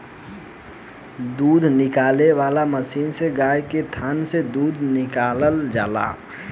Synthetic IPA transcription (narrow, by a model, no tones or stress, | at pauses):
d̪uːd̪ʱnɪkaːleʋaːlaməsiːnseɡajket̪ʰaːnsed̪uːd̪ʱnɪkaləld͡ʒa̰ːla̰